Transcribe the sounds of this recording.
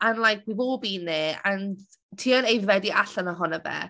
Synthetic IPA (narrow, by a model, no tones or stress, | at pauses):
anlˠajk̚ʰwivoːbiːnːeːan | tʰiːɔnejvwɛdiʔaɬənəɦɔnəvɛ̰